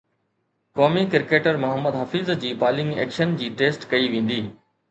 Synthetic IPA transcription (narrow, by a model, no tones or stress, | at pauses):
kɔːmikɪɾkeːʈəɾmʊɦəmːəd̪ɦɐfizd͡ʑiːpaːlɪ̃ŋɡḛːkʃənd͡ʑiːʈeːsʈkɐiʋẽːn̆d̪iː